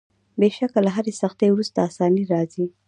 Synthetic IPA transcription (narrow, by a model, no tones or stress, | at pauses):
beʃakalaɦaɾesaxt̪ewɾust̪aːsɑniɾɑzi